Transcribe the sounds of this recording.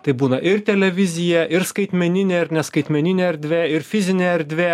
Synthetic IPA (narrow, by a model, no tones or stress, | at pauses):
t̪ɐɪbuːnɐʔɪɾt̪ʲɛlʲɛʋʲɪzʲɪjɛʔɪɾskɐɪt̪ʲmʲɛnʲɪnʲeːɪɾnʲɛskɐɪt̪ʲmʲɛnʲɪnʲeːɐɾʲd̪ʲʋʲeːɪɾfʲɪzʲɪnʲeɐɾʲd̪ʲʋʲeː